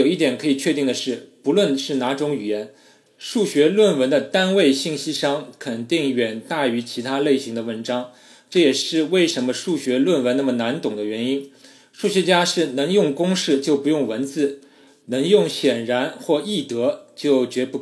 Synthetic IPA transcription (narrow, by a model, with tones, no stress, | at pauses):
o˨˩ʊi˥˩t̪jɛ˨˩nkʰɤ˧˥i˨˩t͡ɕʰɥɛ˥˧t̪i˥˩ŋd̪ə˩ʂɻ̩˥˩pu˧˥lwə˥˧nʂɻ̩˥˩na˧˥ʈ͡ʂʊ˧˥ŋy˨˩jɛ˧˥n | ʂu˥˩ɕɥɛ˧˥lwə˥˩nwə˧˥nd̪ə˧t̪a˥nwe˥˧ɪɕi˥˩ŋɕi˥ʂɑ˥ŋkʰə˨˩nt̪i˥˩ŋɥɛ˨˩nt̪a˥˩y˧˥t͡ɕʰi˧˥t̪ʰa˥le˥˩ɪɕi˧˥ŋd̪ə˧wə˧˥nʈ͡ʂɑ˥ŋ | ʈ͡ʂɤ˥˩jɛ˨˩ʂɻ̩˥˧we˥˩ɪʂə˧˥nmə˧ʂu˥˩ɕɥɛ˧˥lwə˥˩nwə˧˥nna˥˩mə˩na˧˥nt̪ʊ˨˩ŋd̪ə˦ɥɛ˧˥ni˥n | ʂu˥˩ɕɥɛ˧˥t͡ɕja˥ʂɻ̩˥˩nɤ˧˥ŋjʊ˥˩ŋkʊ˥ŋʂɻ̩˥˧t͡ɕjo˥˩ʊpu˧˥jʊ˥˩ŋwə˧˥nt͡sɹ̩˥˩ | nɤ˧˥ŋjʊ˥˩ŋɕjɛ˨˩nɻa˧˥nxwɔ˥˧i˥˩t̪ɤ˧˥t͡ɕjo˥˩ʊt͡ɕɥɛ˧˥pu˧˥˩